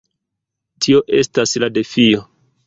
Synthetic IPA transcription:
tʰio̞ʔe̞staslade̞fio

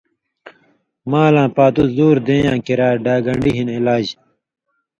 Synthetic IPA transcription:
maːlãːpaːt̪uzuːɾd̪ẽːjãːkiɾaːɾɖaːɡɐɳɖiɦinilaːd͡ʑ

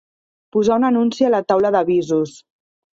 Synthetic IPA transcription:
puzaunənunsiələt̪awləðəβizus

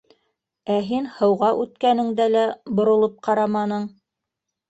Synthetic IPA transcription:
æɦinhɤ̆wʁɑʔʉt̪kænɘ̆ŋd̪ælæbŏɾŏlˠɤp̚qʰɑɾɑmɑnɤɴ

